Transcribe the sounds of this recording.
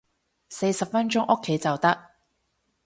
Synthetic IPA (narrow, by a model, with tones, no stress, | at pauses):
se˧jsɐ˨p̚fɐ˥nt͡ʃʊ˥ŋʔʊ˥kʰːe˨˥jt͡sɐ˨wt̪ɐ˥k̚